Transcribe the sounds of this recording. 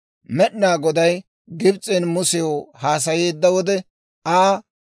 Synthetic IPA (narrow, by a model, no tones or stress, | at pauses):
mɛɗɪnaːɡɔd̪ɐj | ɡɪbt͡sʼɛnmʊsɪjohaːs̬ɐjeːd̪ːɐwɔd̪ɛ | aː